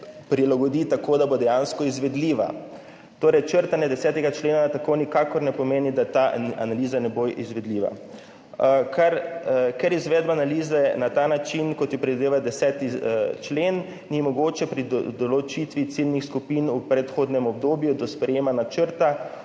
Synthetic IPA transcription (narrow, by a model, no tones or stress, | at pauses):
pɾilaɡɔd̪it̪akoːd̪abod̪ɛjanskɔizʋɛd̪liːʋa̰ | t̪oːɾɛjt͡ʃəɾt̪anjɛd̪ɛsɛːt̪ɛɡat͡ʃleːnat̪akonikakɔɾnɛpɔmeːnid̪at̪aa̰naliːzanɛboʔizʋɛd̪liːʋa̰ | kʰaɾkɛɾizʋɛːd̪baːnaliːzɛnat̪aːnat͡ʃinkɔt̪jɛpɾɛd̪id̪eːʋald̪ɛsɛːt̪it͡ʃlenː | imɔɡoːt͡ʃɛpɾid̪ɔlɔt͡ʃit̪ʋit̪silnixskupinupɾɛt̪xoːd̪nɛmɔb̚d̪oːbjud̪ɔspɾɛjeːmanat͡ʃəɾt̪a